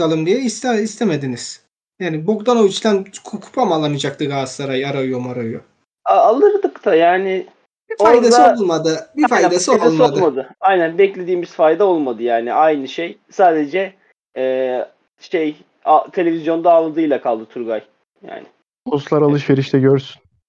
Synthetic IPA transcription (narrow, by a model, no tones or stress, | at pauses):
alˠɯmd̪ijɛist̪ɛist̪ʰemed̪iniz̥ | jaːnibo̞kd̪anot͡ʃt̪ʲænkʰkʰu̥pʰamalˠːanɯd͡ʒakt̪ɯɡaːsaɾajaɾajomaɾajo | aalˠɯɾd̪ɯkt̪ʰajaːnɪ | bifajd̪ad̪iolˠulˠmad̪ɯbifajd̪asiolulmadlɯmad̪ɯajnænbɛclʲe̞d̪iːmiz̥fajd̪ao̞lˠmad̪ɯjaːnɪʔajnɯʃejsaːd̪ed͡ʒɛ | ɛː | ʃej | at̪ʰe̞lʲe̞vʲizjo̞nd̪aːvɯlˠd̪ɯjlˠakʰalˠd̪ɯt̪ʰuɾɡaj | ja̰ːnɪ | bʰoslˠaɾalˠɯʃveɾiʃt̪ʰɛɟøɾsyn